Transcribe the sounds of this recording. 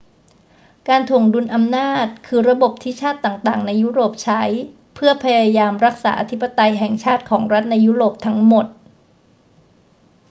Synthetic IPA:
kaː˧nt̪ʰu˨˩əŋdu˧nʔa˧mnaː˥˩t̪̚kʰɯː˧ɾa˧bo˨˩p̚t̪ʰiː˥˩t͡ɕʰaː˥˩t̪ːaː˨˩ŋt̪aː˨˩ŋna˧jːuː˦˥ɾoː˨˩p̚t͡ɕʰa˦˥j | pʰɯ˥˩ɐpʰa˧jaː˧jaː˧mɾa˦˥k̚saː˩˦ʔa˧t̪ʰi˦˥pːa˧t̪a˧jɦɛ˨˩ŋt͡ɕʰaː˥˩t̪̚kʰɔː˩˦ŋɾa˦˥t̪̚na˧jːuː˦˥ɾoː˨˩p̚t̪ʰa˦˥ŋmo˨˩t̪̚

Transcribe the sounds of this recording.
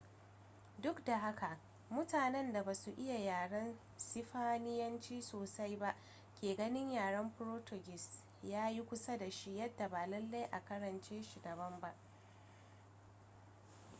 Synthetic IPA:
dʊ˦kda˨ɦa˦kʰa˨ʔ | mʊ˦taː˨nɛ˦nda˨baː˨su˨ʔɪ˦ja˨jaː˨ɽɐ˦n | sɪ˦ɸaː˦nɪ˦jɐ˦nt͡ʃiː˦soː˨sa˦jba˦ʔ | kʲeː˨ɡɐ˦nɪ˦ɲjaː˨ɽɐ˦mɸʊ˦ɾoː˦to˨ɡʲɪ˨s | jaː˦ji˦kʷʊ˦sa˦da˨ʃi˦jɐ˦dːa˨baː˨lɐ˦lːa˦jʔa˨kɐ˦ɽɐ˨nt͡ʃeː˦ʃi˨dɐ˨bɐ˦mba˦ʔ

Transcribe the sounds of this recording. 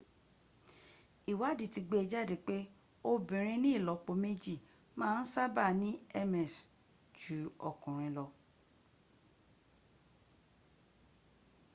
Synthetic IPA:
i˨wa˨˦˨di˨ti˧ɡ͡be˦ɛ˧d͡ʒa˦˨de˨k͡pe˦ | o˧bĩ˨ɾ̃ĩ˧nĩ˦i˦˨lɔ˨k͡po˧me˦d͡ʒi˦˨ | mãː˦n̩˦sa˦ba˦˨nĩ˦ɛ˦mɛ˨s | d͡ʒu˨˦ɔ˨kũ˨ɾ̃ĩ˧lɔ˧

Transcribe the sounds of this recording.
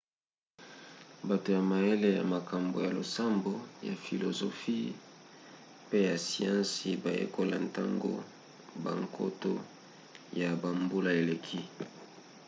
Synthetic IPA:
ba˨to˨ja˨ma˨e˦le˦ja̰˨ma˨ka˨mbo̰˨ja˨lo̰˨sa˦mbo˨ja̰˨fi˨lo˨zo˨fi˦ | pe˦ja˨si˨ã˦nsi˨ba˨jḛ˦ko˦la̰˨nta˦ŋɡo̰˦ | ba̰˨ŋkʰo̰˦to˦ | ja˨ba˨mbo˦la˨e˨le˨kʰi˦

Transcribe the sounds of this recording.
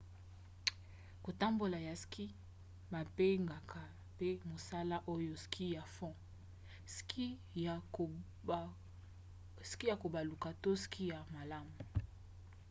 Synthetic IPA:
ko˨ta˦mbo˨la˨ja˨skʰi˦ | ma˨pe˦ŋɡa˨kʰa˨ | pe˦mo˨sa˦la˦ʔo˦jo˦skʰi˦ja˨fɔ̃˦ | ski˦˨ | ski˦ja˨ko˨ba˨lu˨ka˨to˦skʰi˦ja˨ma˨la˦mu˨

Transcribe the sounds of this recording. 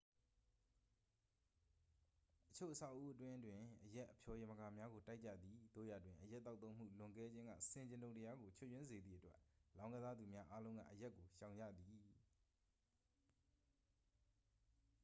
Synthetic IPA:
ʔət͡ɕʰo̰˦˨ʔəsʰa˦˨ʊʔu˦ʔətwɪ̃˦ʔətwɪ̃˨ʔəjɛ˦ʔːəpʰjɔ˨jɪ̃˨mə˨ɡa˨mja˦ɡo˨ta˦ɪʔt͡ɕːa̰˦˨d̪ði˨d̪o̰˦˨ja̰˨twɪ̃˨ʔəja˦t̪ːa˦ʊt̪ːõ˦ʊ̃m̥ṵ˦˨lʊ̃˨ŋɡɛ˦d͡ʑɪ̃˦ŋɡä̰˦˨sɪ̃˨ɲd͡ʑɪ̃˨ndõ˨ʊ̃təja˦ɡo˨t͡ɕʰo˦˨jwɪ̃˦nze˨d̪ðḭ˦˨ətwɛ˦ʔlã˦ʊ̃ŋɡə˦za˦d̪u˨mja˦ʔa˦lõ˦ʊ̃ŋɡä̰˦˨ʔəja˦ʔkːo˨ʃã˨ʊ̃ɲd͡ʑa̰˦˨d̪i˨

